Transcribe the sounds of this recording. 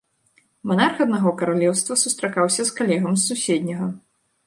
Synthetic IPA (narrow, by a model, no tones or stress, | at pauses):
manarxɐd̪naɣɔkɐɾalʲɛwst̪vɐsust̪ɾakawsʲɐskalʲɛɣɐmsːusʲɛd̪ʲnʲɐɣɐ